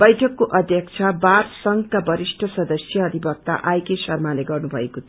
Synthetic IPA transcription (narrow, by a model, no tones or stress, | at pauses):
b̥ʌjʈʰʌkːoʔʌd̪ʱjʌkt͡sʰʌbarsʌŋkabʌɾisʈʰʌsʌd̪ʌsjʌːd̪ʱibʌk̚t̪a̰ʔajkesʌrmaleɡʌrnubʱʌ̰ekot̪ʰ